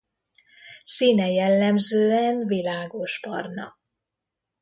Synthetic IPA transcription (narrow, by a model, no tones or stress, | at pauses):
sinɛjɛlːɛmzøːɛnvilaːɡo̞ʃpɒ̰rnɒ̰